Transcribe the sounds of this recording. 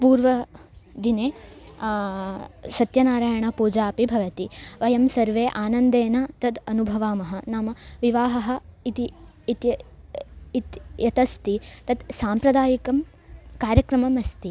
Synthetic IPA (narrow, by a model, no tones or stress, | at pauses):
puːɾʋɐd̪ineː | sɐt̪jɐnaːɾaːjɐɳɐpuːd͡ʒaːpibʱɐʋɐt̪iʋɐjɐmsɐɾʋeːʔaːnɐnd̪eːnaːt̪ɐd̪ɐnubʱɐʋaːmɐɦɐnaːmɐʋiʋaːɦɐɦɐ̆it̪i | it̪jɐ | it̪jɐt̪ɐst̪it̪ɐd̪saːmpɾɐd̪aːjikɐm | kaːɾjɐkɾɐmɐmɐst̪i